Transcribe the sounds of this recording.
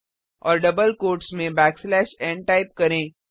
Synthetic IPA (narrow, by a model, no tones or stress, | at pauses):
ɔːɾɖɐbəlkoːɾʈsmẽbɛːkslɛːʃɛ̃ːɳʈaɪp̚kɐɾẽː